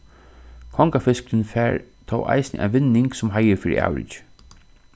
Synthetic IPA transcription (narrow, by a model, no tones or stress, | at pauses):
kʰɔŋkafɪsklɪnfɛːɹt̪ʰɔ̰wʔa̰jsnɪ̰ʔa̰nʋɪnːɪŋksʊmɦajəɾfiːɾḭʔa̰ːwɾɪ̰t͡ʃ